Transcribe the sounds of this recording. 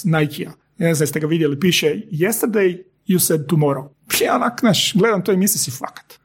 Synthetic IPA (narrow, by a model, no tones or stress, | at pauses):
najkʰia | neznamst̪eɡaʋid̪jelipiːʃejɛst̪əɾd̪ej | jused̪̚t̪umoɾo | pʰionaknaʃɡled̪amt̪ojemislisifakḁt̪